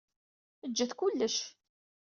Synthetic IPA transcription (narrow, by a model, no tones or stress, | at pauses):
əd͡ʒːəθkʊlːəʃ